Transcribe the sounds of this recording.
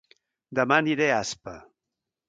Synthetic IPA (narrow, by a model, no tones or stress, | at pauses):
d̪əmaniɾeaspə